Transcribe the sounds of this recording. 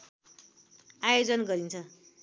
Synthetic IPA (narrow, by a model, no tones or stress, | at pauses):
ajod͡zʌnɡʌɾint͡sʰʌ